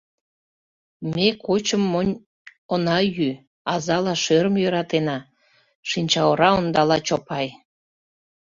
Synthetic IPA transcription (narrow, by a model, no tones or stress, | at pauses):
mekot͡ɕəmːonʲ | onɑjy | ɑzɑlɑʃøɾəmjøɾɑt̪enɑ | ʃinʲt͡ɕɑoɾɑond̪ɑlɑt͡ɕopɑj